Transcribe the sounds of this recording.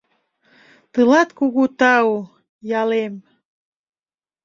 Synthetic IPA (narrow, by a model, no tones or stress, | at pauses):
t̪ɨlɑt̪kuɣut̪ɑu | jɑlem